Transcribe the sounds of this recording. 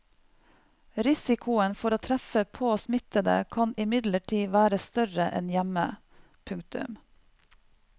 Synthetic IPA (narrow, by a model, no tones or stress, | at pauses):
ɾɪsɪkʰʊənfɔɾoːt̪ʰɾæfəpʰoːsmɪt̪əd̪ə̰kʰɑnɪmɪd̪ləʈʰiːʋæːɾəst̪œɾəʔɛ̰njæmə | pʰʉŋkt̪ʉ̰m